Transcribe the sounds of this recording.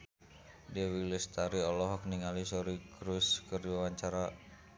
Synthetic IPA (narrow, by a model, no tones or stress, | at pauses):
dɛwilist̪aɾiɔlɔɦɔk̚niŋalisɔɾikɾuskərdiwawaɲt͡ʃaɾa